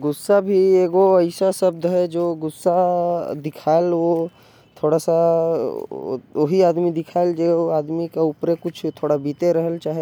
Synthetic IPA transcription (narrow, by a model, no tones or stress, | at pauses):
ɡʊsːabʱieːɡoɐɪsasəb̚d̪ɦɛd͡ʒoːɡʊsːad̪ɪkʰaːelo | t̪ʰoːɽasa | oɦiaːd̪mid̪ɪkʰaːɪld͡ʒeaːd̪mikaʊpɾekʊt͡ʃʰt̪ʰoːɽabiːt̪eɾəɦəlt͡ʃaːɦe